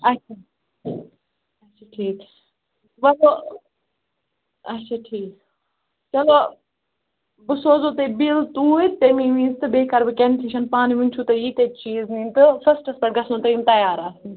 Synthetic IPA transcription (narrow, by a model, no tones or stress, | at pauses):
ɐtt͡ʃʰaː | ɐtt͡ʃʰaʈʰiːkː | ʋɐlo | ɐtʃʰaːʈʰiːk | t͡ʃɐloː | bɨsoːzoːt̪ebilt̪uːit̪emĩːʋĩːzt̪ɨbeːkɐɾbɨkent̪ʰiʃɐnpaːniʋĩnʲt͡ʃʰut̪ɐjiːt̪eːt͡ʃiːznĩːnt̪ɨfɐsʈɐsbɐʈ̚ɡɐsnõt̪ɐimt̪ɐjaːɾaːsin